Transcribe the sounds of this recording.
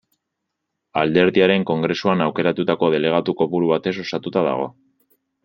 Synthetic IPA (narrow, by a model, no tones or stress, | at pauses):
ald̪e̞ɾðiaɾe̞ŋko̞ŋɡɾe̞suanawke̞ɾat̪ut̪ako̞ð̞e̞le̞ɣ̞at̪uko̞puɾuβat̪e̞so̞sat̪ut̪aða̰ɣ̞o̞̰